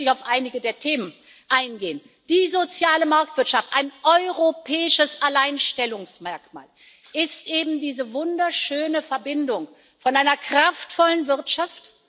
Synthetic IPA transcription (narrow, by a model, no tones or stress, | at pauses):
ɪçaʊfʔaɪnɪɡədeːɐtʰeːmən | ʔaɪnɡeːən | d̥iːzot͡sjaːləmaɐk̚tv̥ɪɐtʃaftʔaɪnʔɔʏʁopʰɛːɪʃəsʔalaɪnʃtɛlʊŋsmɛɐkma̰ːl | ʔɪstʔeːbm̩diːzəvʊndɐʃøːnəfɛɐbɪndʊŋ | fɔnʔaɪnɐkʁ̥aftfɔlənvɪɐtʃaft